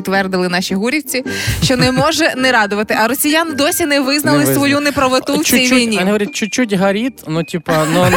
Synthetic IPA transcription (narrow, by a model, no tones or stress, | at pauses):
t̪ːʋɛrd̪ɪlˠɪnɑʃiɦuɾʲiwt͡sʲiʃt͡ʃɔnɛmɔʒɛnɛɾɑd̪ʊʋɐt̪ɪʔɐɾɔsʲijand̪ɔsʲinɛʋɪznɐlˠɪsʋɔjunɛpɾɐʋot̪uwt͡ʃʲijʋijnʲiɐnʲiɦɔʋʲɾʲat̚t͡ʃʊt͡ʃːutʲɦɐɾʲit̪nutʲipɐnu